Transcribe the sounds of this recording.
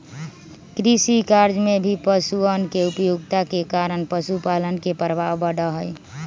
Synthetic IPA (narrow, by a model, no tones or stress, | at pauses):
kɾisikaɾd͡ʒmebʱipəsuənkeupjoɡt̪akekaɾənpəsupalənkepəɾbabəɽəɦəj